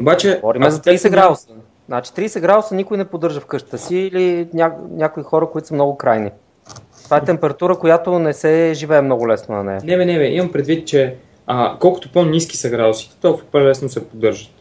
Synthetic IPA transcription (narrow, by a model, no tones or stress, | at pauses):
obat͡ʃɛvɔɾimɛzɐt̪iːsɛɡɾad̪osə | znat͡ʃi̥t̪ɾiːsɛɡɾad̪osənikʊjnɛpod̪ːɤɾʒəfkɤʃt̪ə̥t̪əsiːlinʲanʲjakoixɔɾəkʊit̪o̥səmnɔɡʊkɾajni | t̪ovaɛt̪ɛmpɛɾɐt̪uɾəkojat̪onɛsɛʒivɛːmnɔɡʊlɛsnonɐ̰nɛ̰jɐnɛvɛnɛvɛʔimɐmpɾɛd̪vit̪̚t͡ʃɛ | əkɔlˠkʊ̥t̪oponiski̥sɐɡɾad̪osi̥t̪ɛ̥t̪ɔfpɛlɛsnosɛpod̪ɤɾʒət̪